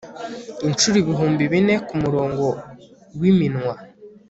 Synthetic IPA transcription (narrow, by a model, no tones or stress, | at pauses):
int͡ʃuɾiβiɦuːmbiβine̞kumuɾo̞ːŋɡo̞ | wiminwa